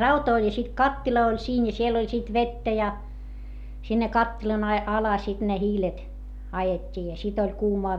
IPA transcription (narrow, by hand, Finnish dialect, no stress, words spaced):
rɑutɑ olʲ jɑ sit kɑtːilɑ olʲ siːn jɑ siel olʲ sit ʋetːæ jɑ sinːe kɑtːilɑn ɑi ɑlɑ sit ne hiːlet ɑjetʲːiː jɑ sit olʲ kuːmɑː